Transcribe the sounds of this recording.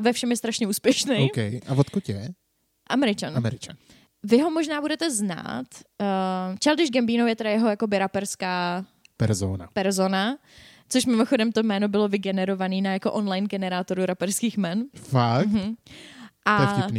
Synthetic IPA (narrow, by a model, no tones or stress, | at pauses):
vɛfʃɛmjɛst̪ɾaʃɲɛuːspjɛʃnɛowkɛjʔavot̪kucɛ | ʔamɛɾɪt͡ʃanamɛɾɪt͡ʃa̰n | vɪɦo̞moʒnaːbudɛt̪ɛzna̰ːt̪ | t͡ʃaldɪʒɡɛmbiːnowjɛt̪ɛdajɛɦo̞jakobɪɾapɛɾskaːpɛɾzona̰pɛɾzona | t͡soʃmɪmoxo̞dɛmt̪omɛːnobɪlovɪɡɛnɛɾovaniːnajakoʔonlajnɡɛnɛɾaːt̪o̞ɾuɾapɛɾskiːxmɛnfak̩ː | ʔaɛfcpniː